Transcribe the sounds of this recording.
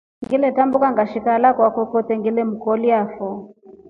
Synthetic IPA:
ŋɡilɛtambukaŋɡaʃikalakwakɔkɔtɛŋɡilɛm̩kɔliafɔ

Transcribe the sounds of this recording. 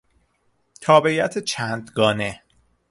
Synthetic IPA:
t̪ʰɒːbejæt̪ʰet͡ʃʰæːnd̪ɡɒːne

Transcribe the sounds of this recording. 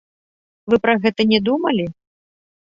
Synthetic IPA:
vɨpɾɐɣɛt̪ɐnʲɛd̪umɐlʲi

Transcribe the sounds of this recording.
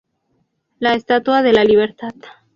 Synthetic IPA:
laest̪at̪waðe̞laliβ̞e̞ɾt̪at̪

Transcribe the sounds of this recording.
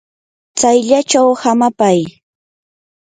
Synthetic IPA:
t͡sajʎat͡ʃawhamapaj

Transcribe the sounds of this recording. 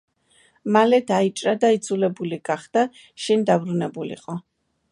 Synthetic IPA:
malɛd̪ait͡ʃʼɾad̪aid̪zulɛbuliɡaχd̪̥a | ʃɛnd̪abɾunɛbulḭqʼɔ

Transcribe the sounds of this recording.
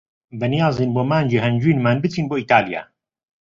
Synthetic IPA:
bɛnijaːziːnboːmaːnd͡ʒeɦɛnd͡ʒwiːnmaːnbɨt̪ʰiːnboːiːt̪aːlja̰ː

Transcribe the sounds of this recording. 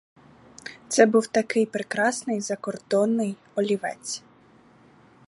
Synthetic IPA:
t̪sɛbuwt̪ɐkɪjpɾekɾɑsnɪjzɐkɔrd̪̥ɔnːɪj | ɔlʲiʋɛ̰t͡sʲ

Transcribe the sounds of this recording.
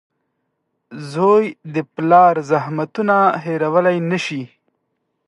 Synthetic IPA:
zojd̪əplɑɾzahmat̪unaɦeɾawəlajnəʃi

